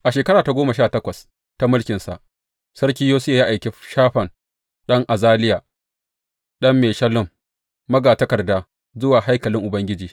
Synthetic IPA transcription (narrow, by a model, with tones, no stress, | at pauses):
ʔa˨ʃeː˨kɐ˦ɽaː˨ta˨ɡʷoː˦ma˨ʃaː˦˨tɐ˦kʷɐ˨s | ta˦mʊ˦lkʲɪ˨nsa̰˨ʔ | sɐ˦ɾkʲi˦joː˦sjaː˨ja˦ʔa˨jkʲe˨ʃaː˦ɸɐ˨n | ɗɐ˦ŋʔa˨zaː˦lɪ˦jaː˨ | ɗɐ˦mːeː˨ʃɐ˦lʊ˦˨mː | ɐ˦ɡaː˨tɐ˦kɐ˨rdaː˦ | zʊ˦waː˨ɦa˦jkɐ˨lɪ˦ŋʔʊ˨bɐ˦ŋɡʲɪ˦d͡ʒiː˨